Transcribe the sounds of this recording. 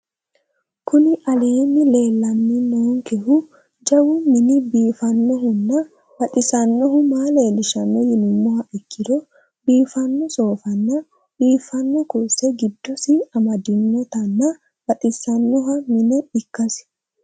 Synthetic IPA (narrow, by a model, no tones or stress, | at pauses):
kʰʊnɪʔɐleːnːɪle̞ːlːɐnːɪnoːŋkɛhʊ | d͡ʒɐwʊmɪnɪbiːfɐnːɔɦʊnːɐ | bɐt̪ʼɪsɐnːɔɦʊmaːleːlɪʃɐnːɔjɪnʊmːɔhɐʔɪkːɪd̪ɔ | biːfɐnːɔso̞ːfɐnːɐ | biːfɐnːɔkʊsɛɡɪd̪ːɔsɪɐmɐd̪ɪnːɔt̪ɐnːɐ | b̥ɐt̪ʼɪsɐnːɔɦɐmɪnɛɪkːɐs